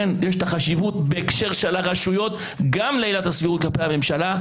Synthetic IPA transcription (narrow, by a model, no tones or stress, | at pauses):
enjeʃt̪aχaʃivutbe̞ekʃe̞ʁʃelaʁaʃujo̞t | ɡamleijlatasviʁut̪̚klapehame̞mʃala